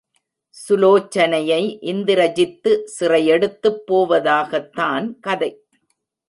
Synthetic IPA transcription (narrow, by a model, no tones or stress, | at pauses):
sʊloːt͡ʃːɐnɐjɐɪʔɪnd̪ɪɾɐd͡ʒɪt̪ːɯsɪrɐjɛɽɯt̪ːɯpːoːʋɐðaːɣɐt̪ːaːnkɐðɐɪ